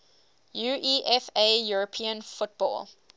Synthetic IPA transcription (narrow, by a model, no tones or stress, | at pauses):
juʔiʔɛfejuɹəpʰĩə̃nfʊt̚b̥ɔ̰ːl